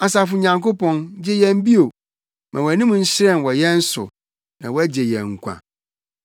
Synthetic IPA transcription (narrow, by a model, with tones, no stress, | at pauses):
a˨s̬a˨fʊ˨ɲã˨ŋko˦pɔ̃˨nd͡ʑɛ˦jɛ̃˦˨m˦bi˦o˨ | mʔã̰˨wɔ˨nĩ˦mũ˨n̩˦ɕɾɛ̃˦˨n˨wɔ˨jɛ̃˦n̩˦sʊ̰˨ | nã̰˨wɔ˦æ˦d͡ʑe˨jɛ̰̃˨ŋ̩˨kʷʰã̰˨